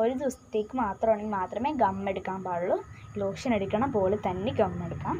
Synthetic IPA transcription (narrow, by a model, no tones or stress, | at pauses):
oɾid̪ust̪iːkumaːt̪ɾoːɳnimaːt̪ɾɐmeːɡɐmːeɽukaːmbaːɽlːu | loːkʂɐnɐɽikːɐɳɐpoːlut̪ɐnːiɡɐmːeɽukaːm